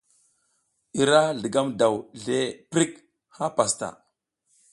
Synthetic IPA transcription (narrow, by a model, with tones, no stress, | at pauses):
i˨ɾa˦ɮə˨ɡa˦mda˨wɮe˦pɾi˦k | ha˦pa˨sta̰˨